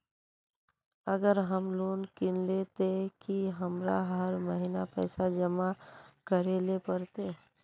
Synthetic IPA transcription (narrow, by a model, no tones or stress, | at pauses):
əɡəɾɦəmloːnkɪnlet̪ekiɦɐmɾaɦəɾməɦinapɛ̰ːsad͡ʒəmakəɾelepəɾt̪eː